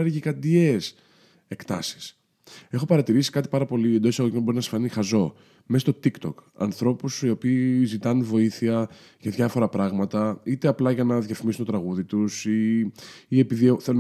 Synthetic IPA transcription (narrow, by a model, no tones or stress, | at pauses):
ɾʝikɐd̪ies | e̞kt̪ɐ̰si̥s | e̞xo̞pɐɾɐt̪iɾisi̥kɐt̪i̥pɐɾɐpo̞liend̪oisɐɣoimeb̞ɾinɐsi̥fɐnixɐzo̞ | mest̪o̞t̪ikt̪o̰kɐ̰nθɾo̞pusio̞piːzit̪ɐnunvo̞iθiɐ | ʝɐðʝɐfo̞ɾɐpɾɐɣmɐt̪ɐit̪eɐplɐʝɐnɐðʝɐfimisunt̪ot̪ɾɐɣuðit̪usiː | e̞piðioθe̞lun